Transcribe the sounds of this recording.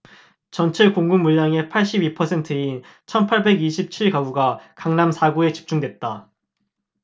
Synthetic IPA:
t͡ɕʌnt͡ɕʰekoŋɡumːuɭːaŋe̞pʰaɭɕ͈ibipʰʌsʰe̞ntʰɯin | t͡ɕʰʌnpʰaɭbe̞ɡiɕʰip̚t͡ɕʰiɭkaɡuɡakaŋnamsʰaɡue̞t͡ɕi̥p̚t͡ɕ͈uŋdwe̞t̚t͈a

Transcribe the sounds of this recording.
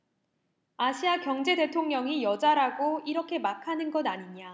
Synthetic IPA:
aɕʰiakjʌŋd͡ʑe̞de̞tʰoŋɲʌŋijʌd͡ʑaɾaɡoiɾʌkʰe̞makʰanɯnɡʌdaɲiɲa

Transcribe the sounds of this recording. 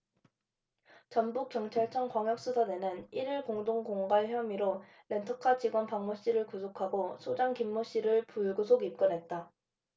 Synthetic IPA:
t͡ɕʌnbuk̚k͈jʌŋt͡ɕʰaɭt͡ɕʰʌŋkwaŋjʌk̚s͈usʰadenɯniɾiɭkoŋdoŋkoŋɡaɭçjʌmiɾo | le̞ntʰokʰat͡ɕiɡwʌnpaŋmoɕ͈iɾɯɭkusʰokʰaɡosʰod͡ʑaŋkimːoɕ͈iɾɯɭpuɭɡusʰoɡip̚k͈ʌnɦe̞t̚t͈a

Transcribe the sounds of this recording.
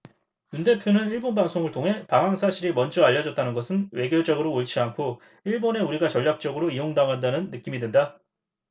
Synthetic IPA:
junde̞pʰjonɯniɭbonbaŋsʰoŋɯɭtʰoŋɦe̞paŋɦaŋsʰaɕʰiɾimʌnd͡ʑʌaʎːʌd͡ʑʌt̚t͈anɯnɡʌsʰɯnwe̞ɡjod͡ʑʌɡɯɾoːɭt͡ɕʰiankʰo | iɭbone̞uɾiɡat͡ɕʌʎːak̚t͡ɕ͈ʌɡɯɾoijoŋdaŋɦandanɯnːɯk͈imidwenda

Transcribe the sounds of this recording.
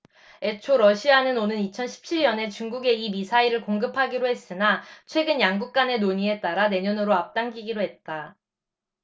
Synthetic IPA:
e̞t͡ɕʰoɾʌɕʰianɯnonɯnit͡ɕʰʌnɕʰi̥p̚t͡ɕʰiɭɲʌne̞t͡ɕuŋɡuɡe̞imisʰaiɾɯɭkoŋɡɯpʰaɡiɾoɦe̞s͈ɯnat͡ɕʰwe̞ɡɯnjaŋɡuk̚k͈ane̞noɲie̞t͈aɾane̞ɲʌnɯɾoap̚t͈aŋɡiɡiɾoɦe̞t̚t͈a

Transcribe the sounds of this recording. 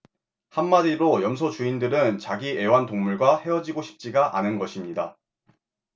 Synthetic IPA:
hamːadiɾojʌms̬ʰʌt͡ɕuindɯɾɯnt͡ɕaɡie̞wantoŋmuɭɡwahe̞ʌd͡ʑiɡoɕʰi̥p̚t͡ɕ͈iɡaʔanɯnɡʌɕʰimɲida

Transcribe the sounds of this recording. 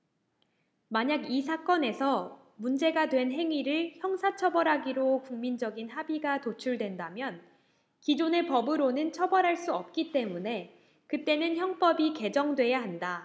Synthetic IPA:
maɲaɡisʰak͈ʌne̞sʰʌ | mund͡ʑe̞ɡadwe̞nɦe̞ŋiɾɯɭçjʌŋsʰat͡ɕʰʌbʌɾɦaɡiɾokuŋmind͡ʑʌɡinɦabiɡatot͡ɕʰuɭdwe̞ndamjʌn | kid͡ʑone̞pʌbɯɾonɯnt͡ɕʰʌbʌɾɦaɭs͈uʌp̚k͈it͈e̞mune̞ | kɯt͈e̞nɯnçjʌŋp͈ʌbike̞d͡ʑʌŋdwe̞jaɦanda

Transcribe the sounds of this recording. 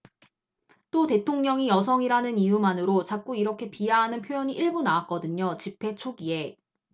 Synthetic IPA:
t͈ote̞tʰoŋɲʌŋijʌs̬ʰʌŋiɾanɯnijumanɯɾot͡ɕak̚k͈uiɾʌkʰe̞pijaɦanɯnpʰjojʌɲiʔiɭbunawak̚k͈ʌdɯɲot͡ɕipʰe̞t͡ɕʰoɡie̞

